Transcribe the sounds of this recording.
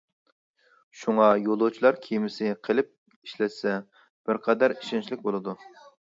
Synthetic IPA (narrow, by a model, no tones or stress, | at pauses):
ʃuŋɑjolˠot͡ʃʰilˠɑɾkʲʰijmɪsɪqʰəlˠɪp̚ | iʃlɛt̪sɛ | b̥ɪɾqʰɛd̪æɾiʃɛnt͡ʃʰilɪk̚ʲbolˠɨd̪u